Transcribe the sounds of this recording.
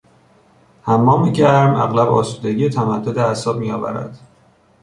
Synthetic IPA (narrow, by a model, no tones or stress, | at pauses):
hæmːɒːmeɟæɾmæ̰ɣlæbɒ̰ːsuːd̪eɟijet̪ʰæmæd̪ːod̪eæsɒːb̚mijɒːvæ̰ɾæ̰d̪̥